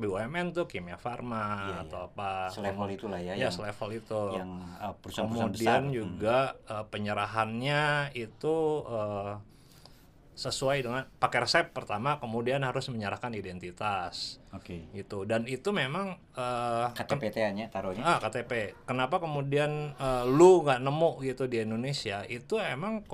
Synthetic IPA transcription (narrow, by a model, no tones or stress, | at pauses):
biwaɛmɛnt̪ukimiafarmaa̰awapalelit̪ulahjajasəlefəlit̪ujaŋpəɾusaəmusaədiand͡ʒuɡaəpəɲəɾaɦanɲait̪uəː | səsuajdəŋanpakɛrsɛpːərt̪amakəmudianhaɾʊsməɲəɾahkanidɛnt̪it̪asokeɡit̪udanit̪umemaŋ | əkat̪pet̪eaɲat̪aɾoɲaəhkat̪epekənapakəmudianəluŋɡaʔnəmʊʔɡit̪udiindonesiaʔit̪uemaŋ